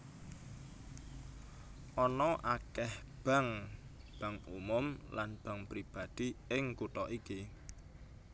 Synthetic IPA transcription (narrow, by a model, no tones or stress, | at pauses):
ʔɔnɔʔakɛh | b̥a̤ŋ | b̥a̤ŋumʊmlanb̥a̤ŋpɾib̥a̤d̪̥iɪŋkut̪ɔʔiki